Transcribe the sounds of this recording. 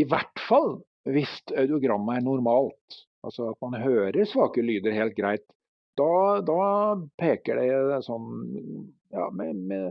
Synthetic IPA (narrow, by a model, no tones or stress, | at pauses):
ɪʋæʈːfɑlː | ʋɪst̪œʉd̪ʊɡɾɑmːəæɳʊɾmɑːlt̪ | ʔɑ̰lsɔɑt̪mɑnɦøːɾəɾsʋɑːkəlyːd̪əɾɦeːlt̪̚ɡɾæɪt̪ | d̪ɑd̪ɑpʰeːkəɖɛsɔnː | jɑ̰ːmɛmɛ